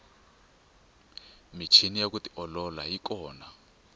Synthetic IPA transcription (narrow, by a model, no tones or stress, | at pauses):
mit͡ʃʰinijakutiʔɔlɔlajikɔːna